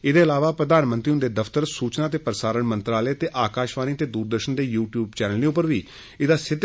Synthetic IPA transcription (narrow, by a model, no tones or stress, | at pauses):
ɪd̪eːəlaːʋaːpɾəd̪aːnmə̃nt̪ɾiːʊ̃nd̪eːd̪əfʰt̪əɾsuːt͡ʃnaːt̪eːpəɾəsaːɾəɳmə̃nt̪ɾaːleːt̪eːʔaːkaːʃʋaːniːət̪eːd̪uːɾd̪əɾʃənd̪eːjuːʈjuːbt͡ʃɛːnəlnẽːʊpːəɾʋiː | ɪd̪aːsɪd̪